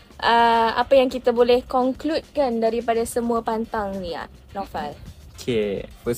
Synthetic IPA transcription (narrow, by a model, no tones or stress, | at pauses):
ʔəa̰pajaŋkit̪abolɛhkɔŋklut̪̚kandaɾipadasəmũapant̪aŋnia̰ʔ | nɔfalokʰepə